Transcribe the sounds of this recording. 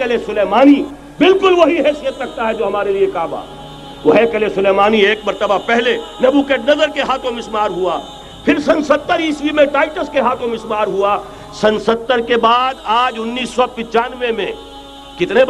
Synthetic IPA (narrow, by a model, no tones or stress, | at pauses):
kɐlesʊleːmaːni | bɪlkʊlʋɐɦiɦɛːsijət̪ɾɐk̚ʰt̪aɦɛd͡ʒoːɦɐmaːɾeliekaːba̰ː | ʋoɦɛkɐlesʊleːmaːnieːk̚mɐɾt̪əbapɛɦlenɐbukeʈnɐzəɾkeɦaːt̪ʰõmɪsmaːɾɦuaː | pʰɪɾsɐ̃nsɐt̪ːəɾiːsʋimẽʈaːɪʈəskeɦaːt̪ʰõmɪsmaːɾɦua | sɐ̃nsɐt̪ːəɾkebaːd̪aːd͡ʒʊnːiːsːɔpɪ̃t͡ʃaːnʋemḛ̃ | kɪt̪ne